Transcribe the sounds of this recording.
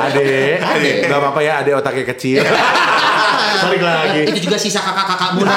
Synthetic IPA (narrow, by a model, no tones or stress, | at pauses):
adɛ | ŋɡapapajaːdɛot̪akɛkət͡ʃil | salɪkɡəlaaɡiit̪ud͡ʒuɡasisakakakakamuna